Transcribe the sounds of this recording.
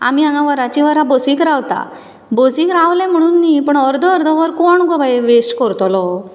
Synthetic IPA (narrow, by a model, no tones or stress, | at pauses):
a̰miãɡaʋəɾat͡ɕiʋəɾabosiːkɾaʋt̪a̰ | bosikɾaʋlɛ̃m̤əɽ̃uːnːipəɳəɾd̪ʱəːɾd̪ʱɔʋəɾkoɳɡɔbaʋesʈkɔɾt̪lɔ